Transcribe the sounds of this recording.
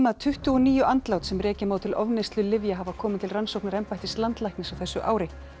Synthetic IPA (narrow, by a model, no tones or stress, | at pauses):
maðt̪ʰʏht̪ʏɔniːjʏʔant̪lawt̪sɛmrɛːcɪmawt̪ʰɪlɔvnɪst̪lʏlɪvjaɦavakʰɔːmɪnt̪ʰɪlransowknaɾɛmpajht̪ɪst̪lant̪lajknɪsawθɛsːʏʔaːwɾɪ